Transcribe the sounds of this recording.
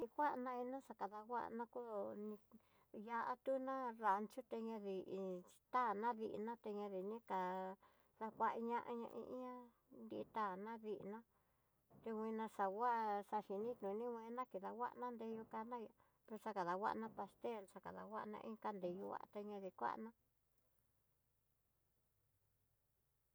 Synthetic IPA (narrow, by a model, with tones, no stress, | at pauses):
i˧kʷa˦ʔnã˧i˧nã˦ʂa˧ka˨ða˧wʷa̰˦ʔnã˧ku˦˧nĩ˧ | ja˧ʔa˦t̪u˦nã˦ɾa˨nt͡ʃu˦t̪e˧ɲã˧ði̥˨˧t̪a˦˨nã˦ðḭ˧ʔnã˦t̪e˧ɲã˧ði˨nĩ˦ka˨ | ða˧kʷa˧ʔi˧ɲã˦ʔa˧ɲã̰˧ʔḭ̃˧ʔɲã˦ | nd̪i˧t̪a˦˨nã˦ði˧ʔnã˦ | t̪e˧wʷĩ˧nã˧ʂa˨wa˦ʔsa˧ʃi˨nĩ˦t̪nũ˨˧nĩ˦wʷẽ˧˦nã˦ki˨ða˨wa̰˦ʔnã˦nd̪e˧ju˧ka˧nã˦ja˧ | pe˧ʂa˧ka˨ða˨wa̰˦ʔnã˦pa˧st̪e˦˨lsa˧ka̰˨ða̰˨wa˦ʔnã̰˧ʔĩ˦˧ka˧nd̪e˧ju˧˦wa̰˧t̪e˧ɲã˧ði˧kʷa̰˦˧nã˦